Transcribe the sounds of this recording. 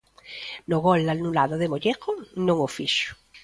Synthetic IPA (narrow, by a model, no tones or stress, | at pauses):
noɣolnalnulaðoðemoʎekonõŋofiʃo̥